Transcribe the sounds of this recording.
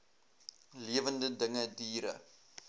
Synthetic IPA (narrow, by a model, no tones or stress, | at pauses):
liəvəndədəŋədiːɾə̰